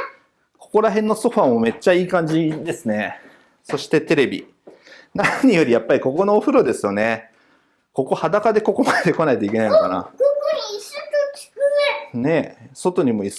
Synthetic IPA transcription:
kʰo̞̥ko̞ɾaɦẽ̞nːo̞so̞ɸaːmo̞me̞t͡ɕːaiːkãɲ̟d͡ʑid̪e̞sɨne̞ | so̞ɕi̥t̪e̞t̪e̞ɾe̞bʲḭ | naɲ̟ijo̞ɾʲijapːaɾʲiko̞ko̞no̞ːɸɯ̟ɾo̞d̪e̞sɨjo̞ne̞ | ko̞ko̞had̪akad̪e̞ko̞ko̞mad̪ed̪e̞ko̞nait̪o̞ikʲe̞aino̞kana̰ | kokʲi̥kne̞so̞t̪o̞ɲ̟imo̞is

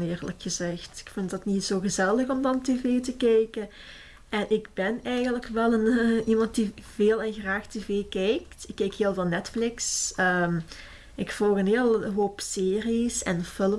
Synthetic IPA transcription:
ɪːrləkxəzɛxtɪ̥kfɪntdɑtnitsoːɣəzɛlˠəxɔmdɑnteːveːtəkɛjkən | ʔɛnʔɪɡbɛnɛjɣəntləkʋɛlˠənimɑnt̚diveːlˠɛnxraːxteːveːkɛjktɪkːɛjkɦeːlˠveːlˠnɛtflɪksəm | ɪkfɔlˠxənɦeːlˠɦoːpseːrisɛ̰nfɪlə

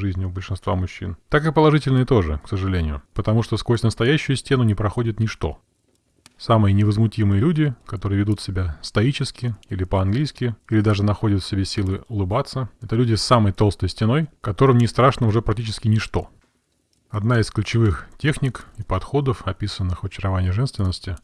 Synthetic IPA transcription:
ʐɨzʲnʲɪbəlʲʂɨnst̪va̰mʊɕːḭnt̪akɨpəlˠɐʐɨtʲɪlʲnəjət̪o̞ʐɨ̰ksəʐɨlʲenʲɪjʊ̰pət̪ɐmuʂt̪osko̞sʲt̪ʲnəst̪ɐjæɕːʊjʊsʲtʲe̞nʊnʲɪpɾɐxo̞dʲɪt̪nʲɪʂt̪o̞̰ | samɨjənʲɪvəzmʊtʲimɨjəlʲudʲɪkɐt̪o̞ɾɨjəvʲɪd̪ut̪sʲɪbʲast̪ɐit͡ɕɪskʲɪilʲɪpəɐnɡlʲijskʲɪilʲɪd̪aʐɨnɐxo̞dʲət̪fsʲɪbʲesʲilˠɨʊlˠɨbat̪sːəɛt̪əlʲudʲɪsːaməjt̪o̞lˠst̪əjsʲtʲɪno̞jkɐt̪o̞ɾɨmnʲɪst̪ɾaʂnəʊʐɛpɾɐk̚tʲit͡ɕɪskʲɪnʲɪʂt̪o̞̰ | ɐd̪naɪsklʲʉt͡ɕɪvɨxtʲe̞xnʲɪkɪpɐt̪xo̞d̪əfɐpʲisənːɨxvɐt͡ɕɪɾɐvanʲɪjəʐɛnst̪vʲɪnːəsʲtʲɪ

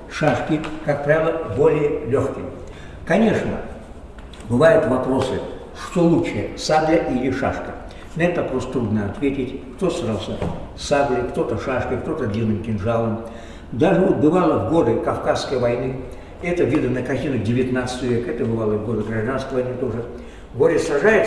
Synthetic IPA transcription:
ʂaʂkʲɪkak̚pɾavʲɪlˠəbo̞lʲɪjəlʲoxkʲɪ | kɐnʲeʂnə̰ | bɨvajʊt̪vɐpɾo̞sɨ | ʂt̪olˠut͡ʃːɨjəsad̪lʲɪʔilʲɪʂa̰ʂkə | nɐɛt̪vɐpɾo̞st̪ɾud̪nəɐt̪vʲetʲɪtʲkt̪o̞sɾalˠsəsad̪lʲɪkt̪o̞t̪əʂaʂkəkt̪o̞t̪əd̪lʲinɨmkʲɪnʐalˠəm | d̪aʐɨvot̪̚bɨvalˠəvɡo̞d̪ɨkɐfkasːkəjvɐjnɨ | ɛt̪əvʲid̪ənəkɐt̪ʲinəɡ̚dʲɪvʲɪt̪nat̪sɨ̥t̪əʋəvʲekɛt̪əbɨvalˠəvɡo̞d̪ɨɡɾɐʐd̪anskəjvɐjnɨt̪o̞ʐɨ | ɡoɾʲɪsɾɐʐajɪt̪

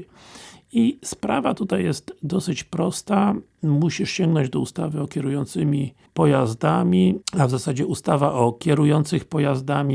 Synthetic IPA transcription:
ispɾa̰vat̪ut̪ajːɛst̪d̪ɔsɘt͡ɕpɾɔst̪a | muɕiʂɕɛŋɡnɔɲd͡ʑd̪ɔust̪avɘɔkʲɛɾujɔnt̪sɘmʲi | pɔjazd̪amʲiavzasad͡ʑɛust̪avaʔɔkʲɛɾujɔnt̪sɘxpɔjazd̪amʲi

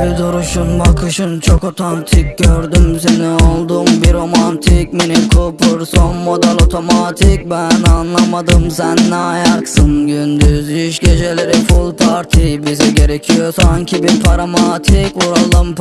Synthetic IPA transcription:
bid̪oɾuʃunbakʰɯʃɯnt͡ʃʰo̞ko̞t̪ʰant̪ʰik̚ɟøɾd̪ymsenio̞lˠd̪umbiɾo̞mant̪ʰikminikʰupʰuɾso̞nmo̞d̪ælʲo̞t̪ʰo̞mat̪ʰik̚bænanlˠamad̪ɯmsænːɛajaksɯnɟynd̪yziʃɟe̞d͡ʒelʲeɾifulˠpʰaɾt̪ʰibiziɟe̞ɾecʰijosaɲcʰibiɾpʰaɾamat̪ʰikuɾalˠɯmp

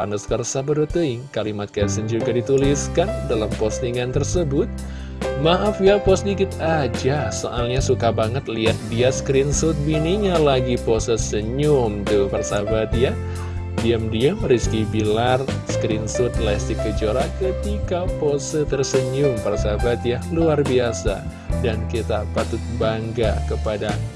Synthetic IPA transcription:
a̰ndəskərsabəɾut̪ukalimat̪̚kaasənd͡ʒuɡadit̪uliskandalampɔst̪iŋant̪ərsəbʊt̪̚ | maɦafiapɔst̪̚dikɪt̪ad͡ʒaso̰ʔalɲasukabaŋət̪̚liat̪̚biaskɾinsʊt̪̚biniɲalaɡiposəsəɲʊmt̪uparsabat̪̚ja | diəmdiəmriskibilarskɾɪnsʊt̪̚lɛst̪ikəd͡ʒoɾakət̪ikaposət̪ərsəɲʊmparsabat̪jaluarbiasa̰ | dankit̪apat̪ʊt̪̚baŋɡa̰kəpada

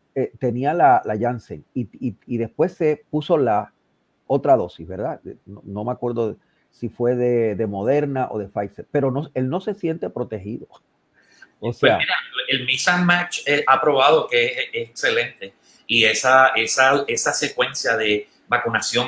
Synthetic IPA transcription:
et̪e̞nialalaʝansḛŋiiiðe̞spwe̞se̞puso̞la | o̞t̪ɾaðo̞sizβe̞ɾðaenono̞meakwe̞ɾðoðe | sifwe̞ðe̞ðe̞mo̞ð̞e̞ɾnaʔo̞̰ðe̞fajseɾpe̞ɾo̞noe̞lno̞se̞sje̞nt̪e̞pɾo̞t̪e̞hiðo̞ | oseamiɾaelmisamat͡ʃeapɾo̞βaðo̞keesekse̞lẽnt̪e̞ | iesaesaesase̞kwe̞nsjaðe̞ | bakunasjoŋ

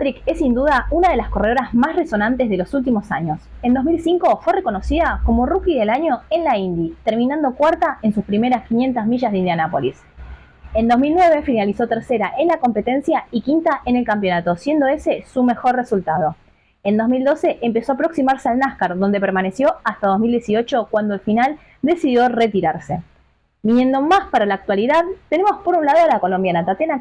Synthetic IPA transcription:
t̪ɾikesind̪uðaunað̞e̞lasko̞re̞ð̞o̞ɾazmasreso̞nant̪ezð̞e̞lo̞sult̪imo̞saɲo̞se̞nd̪o̞zmilsiŋkofwereko̞no̞siðako̞mo̞rukiðelaɲo̞e̞nlaind̪it̪eɾminãnd̪o̞kwaɾt̪ae̞nsuspɾime̞ɾaskinje̞nt̪azmiʒazðind̪janapo̞lis | e̞no̞zmilnweβe̞finaliso̞t̪eɾse̞ɾaʔe̞nlako̞mpe̞t̪e̞nsjaikint̪aʔene̞lkamp̬jo̞nat̪o̞sje̞nd̪o̞e̞se̞sume̞xo̞rre̞sult̪að̞o̞ | end̪o̞zmild̪o̞se̞ʔempe̞so̞apɾo̞ksimaɾsealnahkaɾðo̞nd̪e̞peɾmane̞sjo̞ast̪að̞ozmild̪jesio̞t͡ʃo̞kwand̪oelfinal | d̪e̞siðjoret̪iɾaɾse̞ | minje̞nd̪o̞maspaɾalaːk̚t̪waliðaðt̪e̞ne̞mo̞spo̞ɾunlað̞oalako̞lo̞mbjanat̪at̪ena

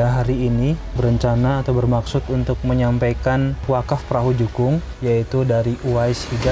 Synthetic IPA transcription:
aɦaɾiːnibəɾəɲt͡ʃanaːt̪awbərmaksʊt̪unt̪ʊk̚məɲampajkanuwakafpəɾaɦud͡ʒukʊŋ | jait̪udaɾiʔuajshida

